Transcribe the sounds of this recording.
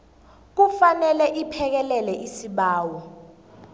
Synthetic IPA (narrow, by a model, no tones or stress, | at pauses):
k̬ufanɛlɛʔipʰɛk̬ɛlɛlɛʔisiɓaːwɔ